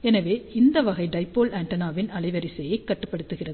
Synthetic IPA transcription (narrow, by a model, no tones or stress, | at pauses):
ɛnɐʋeːɪnd̪ɐʋɐɣɐɪɖɐɪpːoːlaːɳʈɐnaːʋɪnɐɭɐɪʋɐɾɪsɛjɐɪkːɐʈːɯ̥pːɐɽɯt̪ːɯɣɪrɐðɯ